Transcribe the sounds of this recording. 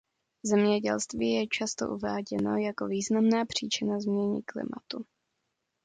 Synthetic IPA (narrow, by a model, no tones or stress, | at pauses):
zɛmɲɛɟɛlst̪viːjɛt͡ʃast̪o̞̰ʔuvaːɟɛno̞̰jako̞viːznamnaːpr̝̥iːt͡ʃɪnazmɲɛɲɪ̰klɪ̰ma̰t̪u